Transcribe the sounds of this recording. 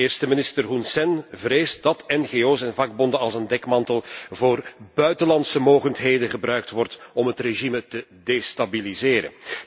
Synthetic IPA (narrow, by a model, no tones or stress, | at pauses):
eːrstəmɪnɪstərɦunsɛnvreːsd̥ɑtɛnɣeoːsɛnvɑɡ̚bɔndənɑlˠzəndɛkmɑntəlˠvoːrbœɥtəlɑntsəmoːɣəntɦeːjdəɣəbrœɥk̚tʋɔrtɔmɦətreʒimətədestabilizeːɾə̰n